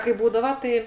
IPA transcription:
kɐɪ ˈbuːdɐʋɐ ˈtɐɪ

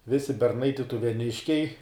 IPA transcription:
ˈʋʲɪsʲɪ bʲɛrˈnɐɪ tʲɪtʊʋʲɛˈnʲɪʃʲkʲɛɪ

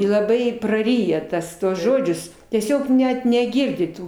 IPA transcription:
ɪ lˠɐˈbɐɪ prɐˈrʲiːjɛ ˈtɐs ˈtuɔs ˈʒoːd͡ʒʲʊs tʲiɛˈsʲoːk ˈnʲɛt nʲɛˈɡʲɪrʲdʲɪ ˈtuː

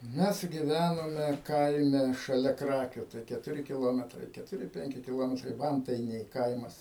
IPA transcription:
ˈmʲɛs ɡʲɪˈʋʲænoːmʲɛ ˈkɐɪmʲɛ ʃɐˈlʲɛ ˈkrɑːkʲʊ tɐɪ kʲɛtʊˈrʲɪ kʲɪˈlˠoːmʲɛtrɐɪ kʲɛtʊˈrʲɪ ˈpʲɛŋʲkʲɪ kʲɪˈlˠoːmʲɛtrɐɪ ˈʋɐntɐɪnʲɛɪ ˈkɐɪmɐs

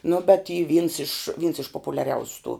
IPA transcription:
nʊ bʲɛt iː ʋʲiːns ɪʃ ʋʲiːns ɪʃ poːpʊlʲɛˈrʲɛʊsʲʊ tuː

